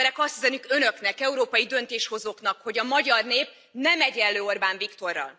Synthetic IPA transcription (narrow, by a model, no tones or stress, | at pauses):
ɾɛkɒst̪hizɛnykønø̞knɛkɛuɾoːpɒjid̪ø̞nt̪eːʃho̞zoknɒkho̞ɟɒmɒɟɒrneːp̚ | nɛmɛɟɛlːøːorbaːɱvikt̪o̞rːɒ̰l